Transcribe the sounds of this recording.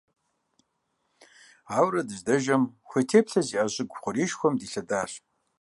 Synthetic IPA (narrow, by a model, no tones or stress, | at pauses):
aːwrɐdɨʒdɐʒɐmxʷeːtʰeːpɬɐziːʔaɕʼɪɡʷχʷʊɾiːʃxʷɔmdiːɬɐdaːr